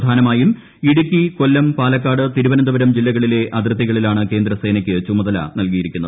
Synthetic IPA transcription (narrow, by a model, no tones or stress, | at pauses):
d̪ʱaːnɐmaːjum | iɽukʲːiko̞lːɐmpaːlɐkːaːɽɨt̪iɾuʋɐnɐnd̪ɐʋɐɾɐmd͡ʑilːɐɣɐɭile̞ʔɐd̪rɨt̪̬ːiɣɐɭilaːɳɨke̞ːnd̪rɐse̞ːnɐkʲːɨt͡ɕumɐðɐlɐ̰nɐlkijiɾikʲːunːɐ